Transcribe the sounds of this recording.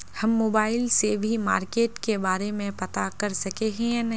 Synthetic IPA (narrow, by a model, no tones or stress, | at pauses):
hɐmːoːbaːɪlsebʱima̰ːɾkeːʈkebaːɾemẽpɐt̪akɐɾsɐkeɦɛ̃ɛ̃nɐ